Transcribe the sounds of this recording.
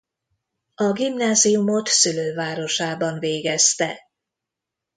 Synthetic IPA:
ɒɡimnaːziumo̞t̪syløːvaːɾo̞ʃaːbɒnveːɡɛst̪ɛ

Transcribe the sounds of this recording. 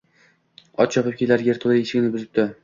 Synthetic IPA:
ɒ̰t̪t͡ʃʰɒpɨp̚kʲʰelaɾɡʲeɾt̪ʰʊlˠieʃɪɡʲnɪbʊzɪp̚t̪ɪ

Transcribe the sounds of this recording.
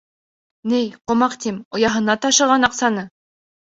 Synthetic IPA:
nɘjqŏmɑqt̪imŏjɑɦɤ̆nɑt̪ɑʃɤ̆ʁɑnɑqsɑnɤ

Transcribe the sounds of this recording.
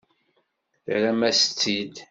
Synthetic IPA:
θɾæmæst͡sːid̪

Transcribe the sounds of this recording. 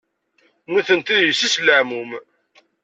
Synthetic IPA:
nuθənt̪iðjisisləʕmum

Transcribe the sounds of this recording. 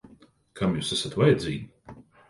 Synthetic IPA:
kʰamjuːsasat̪vajɛd̪zʲiːɡʲi

